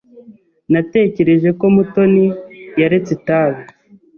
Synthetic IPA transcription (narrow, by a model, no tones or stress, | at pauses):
nate̞ce̞ɾe̞ʒe̞ko̞muto̞nijaɾet͡setaːβe